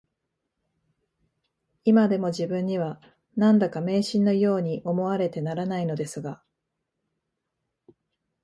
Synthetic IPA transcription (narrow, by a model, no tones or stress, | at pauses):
imad̪e̞mo̞ʑibɯ̟̃ɲ̟ːiβ̞a | nãnd̪akame̞ːɕĩnːo̞jo̞ːɲ̟iʔo̞mo̞βaɾe̞t̪e̞naɾanaino̞d̪e̞sɨɡa